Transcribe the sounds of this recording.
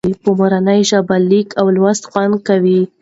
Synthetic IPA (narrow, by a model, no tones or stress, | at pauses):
ipəmaɾanəjʒabalːikʰawlwast̪xɑnkawi